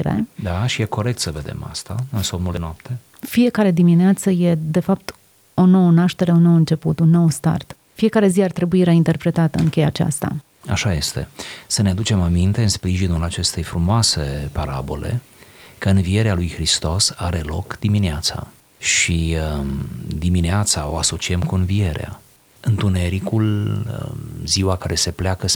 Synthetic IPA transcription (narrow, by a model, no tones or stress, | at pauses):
iɾḛd̪aʃijeko̞ɾe̞k̚t̪səve̞d̪e̞̰ma̰st̪aɨnsomnuld̪enoapt̪ʰe̞ | fije̞kaɾe̞d̪imineat̪səje̞d̪e̞fap̚t̪ | o̞no̞wənaʃt̪e̞ɾe̞uno̞wɨnt͡ʃe̞put̪unːo̞wst̪a̰rt̪ | fie̞kaɾe̞ziart̪ɾe̞buiɾaint̪e̞rpɾe̞t̪at̪əɨŋkʲe̞jat͡ʃa̰st̪a̰ | a̰ʃaje̞st̪e̞sənead̪ut͡ʃe̞mamint̪e̞ɨnspɾiʒinulat͡ʃe̞st̪e̞jfɾumoase̞paɾa̰bo̞̰le̞̰ | kəɨnvie̞ɾealujxɾist̪o̞saɾe̞lo̞kd̪imineat̪sa̰ | ʃi | d̪imineat̪sao̞̰aso̞t͡ʃiemkuɨnvie̞ɾea̰ | ɨnt̪une̞ɾikul | ziwakaɾe̞se̞pleakə